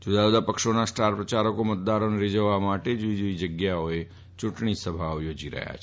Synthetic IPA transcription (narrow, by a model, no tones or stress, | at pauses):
d͡ʒud̪ad͡ʒod̪apəkʃonasʈaɾpɾət͡ʃaɾəkomət̪̚d̪aɾoneɾed͡ʒəʋːamaʈed͡ʒoid͡ʒoid͡ʒəɡjaoe | t͡ʃuʈɳisəbʱaʋjod͡ʒiɾə̰ɦja̰t͡ʃʰ